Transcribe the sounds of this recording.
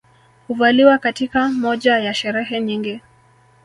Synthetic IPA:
huvaliwakatikamɔʄajaʃɛɾɛɦɛɲiŋɡi

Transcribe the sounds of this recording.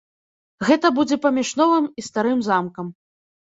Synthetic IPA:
ɣɛt̪ɐbud͡zʲɛpɐmʲiʂnɔvɨmist̪aɾɨmzamkɐm

